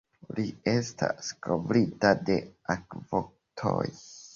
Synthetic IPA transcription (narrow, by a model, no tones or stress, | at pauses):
lie̞stʰaskovɾitade̞akvo | tʰo̰j